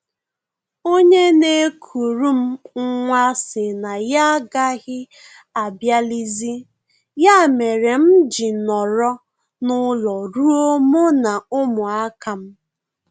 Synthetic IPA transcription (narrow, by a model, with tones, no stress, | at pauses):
o˦ɲe˦ne˦kʰu˨ɾu˦m̩˦ŋ̩˦ŋʷa˦sɪ˨na˨ja˦ɡa˦ɣɪ˦ | a˨bja˦li˦zi˦ | ja˦˨me˨ɾe˨m̩˦d͡ʒi˨nɔ˨ɾɔ˦ | nʊ˦lɔ˨ɾu˦o˦mo˦na˨ʊ˦mʊ˨a˦ka˨m̩˦